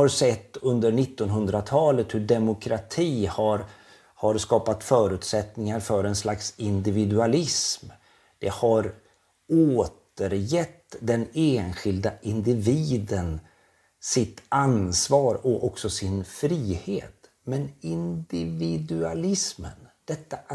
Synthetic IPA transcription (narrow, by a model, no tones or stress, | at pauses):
haɾsɛt̪ːɵnd̪əɾɳɪt̪ːɔnɦɵnd̪ɾat̪ʰɑːlət̪hɵɖɛmʊkʰɾat̪ʰiːhaɾ | haɾskɑːpat̪fœːɾʉ̟ːt̪sɛt̪nɪŋaɾfœɾɛnslaksɪnd̪ɪvɪd̪ɵalɪsm | d̪̥ɛhaɾ | oːt̪əɾjɛt̪ːd̪ɛneːnɧɪld̪aʔɪnd̪ɪviːd̪ən | sɪt̪ansvɑːɾɔʔɔksɔsɪnfɾiːhḛːt̪ | mɛnɪnd̪ɪvɪd̪ʉalɪsmə̰nd̪̥ɛt̪ːa